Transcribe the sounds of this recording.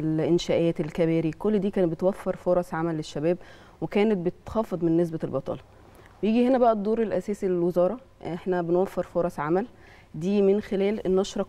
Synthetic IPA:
lʔɪnʃæːʔæːt̪elkæbæːɾikolːd̪iːkæːnbet̪wæfːeɾfoɾˤɑsʕamælːeʃːæbæːb | wekæːnet̪̚bet̪t̪xɑfed̪ˤmenːes̬bælbɑt̪ˤɑ̰ːlɑ | wejiːɡihenæbæʔæd̪ˤːoːɾelʔæsæːsilelwezɑːɾˤɑ | ʔʔeħnæbenwæfːeɾfoɾˤɑsʕamæl | d̪iːmenxelæːlʔenːɑʃɾˤɑ

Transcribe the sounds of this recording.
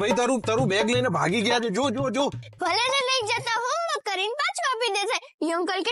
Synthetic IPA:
bʱəit̪əɾũt̪əɾũbɛɡləinebʱa̰ɡiɡəjat͡ʃʰed͡ʒod͡ʒod͡ʒobʱəlenenəĩd͡ʒət̪aɦõəkəɾinpãt͡ʃʰkapid̪et͡ʃʰe | jəŋkəlke

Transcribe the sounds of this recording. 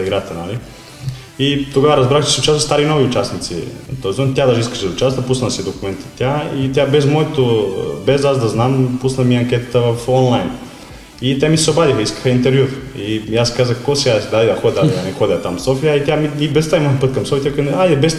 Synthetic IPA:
iɡɾat̪ɛnali | it̪oɡavɐɾazbɾaxt͡ʃe̥sʲiut͡ʃasəst̪aɾinoviut͡ʃasnit̪sḭt̪ozzɔnt̪ʲad̪aʒiskḁʃɛut͡ʃast̪vɐpusnasid̪okumɛnt̪ḁt̪ʲːait̪ʲjabɛzmoɛt̪obɛzazd̪aznampusnamiɐŋkʲɛt̪at̪ɐvəfonlˠajn | it̪ɛmisɛobad̪ixɐiskɐ̥xɐint̪ɛɾvjuɾijaskazəxkosɛad̪ad̪id̪ɐxod̪ɛd̪ad̪id̪anɛxod̪ɛat̪amsofijait̪ʲjamiibɛst̪aimaxpət̪̚kamsɔfʲit̪ʲjak̪ajɛbɛs

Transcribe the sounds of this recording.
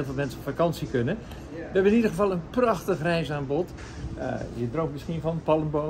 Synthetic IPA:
lˠfəlˠmɛnsəɔpfakɑnsikønə | ʋəɛbəɪnidəχəvɑlˠənprɑxtəχrɛjsaːnbɔt | ədrowpmɪsxivɔnəpɑlˠəmbo

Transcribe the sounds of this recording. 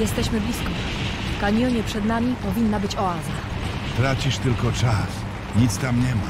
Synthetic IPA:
jɛst̪ɛɕmɘblʲiskɔ | kaɲɔɲɛpʂɛd̪namʲipɔvʲinːabɘt͡ɕɔaza | t̪ɾat͡ɕiʂt̪ɘlkɔt͡ʂas | ɲit̪st̪amɲɛma

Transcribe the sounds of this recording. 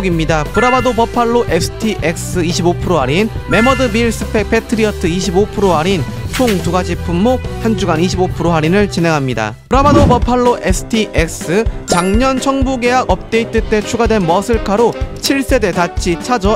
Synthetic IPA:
ɡimɲidapɯɾabadopʌpʰaɭːoʔesʰɯ̥tʰiʔek̚s͈ɯiɕʰibopʰɯɾoɦaɾinme̞mʌdɯbiɭs͈ɯ̥pʰek̚pʰe̞tʰɯɾiʌtʰɯiɕʰibopʰɯɾoaɾint͡ɕʰoŋtuɡad͡ʑipʰumːok̚hand͡ʑuɡaniɕʰibopʰɯɾoɦaɾinɯɭt͡ɕine̞ŋɦamɲida̰pɯɾabadopʌpʰaɭːoʔe̞sʰɯ̥tʰiʔek̚s͈ɯt͡ɕaŋɲʌnt͡ɕʰʌŋbuɡe̞ɦaɡʌp̚t͈e̞it͈et͈e̞t͡ɕʰuɡadwe̞nmʌsʰɯɭkʰaɾot͡ɕʰiɭs͈e̞de̞tat͡ɕʰit͡ɕʰad͡ʑʌ

